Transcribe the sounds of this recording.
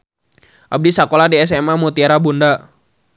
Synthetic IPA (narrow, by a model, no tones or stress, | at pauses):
ʔab̚disakoladɛɛs̬ɛmamut̪iaɾabunda